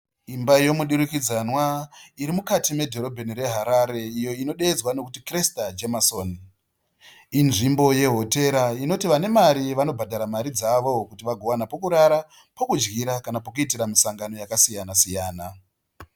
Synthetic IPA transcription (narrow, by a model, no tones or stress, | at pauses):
imbajo̞muɗuɾikid͡zanwaiɾimukatime̞dʱo̞ɾo̞bʱeniɾe̞ɦaɾaɾe̞ijo̞ino̞ɗe̞ːd͡zwano̞kutikrestad͡ʒemasoːn | inʐimbo̞je̞ɦo̞te̞ɾaino̞tiʋane̞maɾiʋano̞bʱadʱaɾamaɾid͡zaʋo̞kutiʋaɡʱo̞ʋanapokuɾaɾa | pokud͡ʒɡiɾakanapokuit̬iɾamisaŋɡano̞jakasijanasijaːna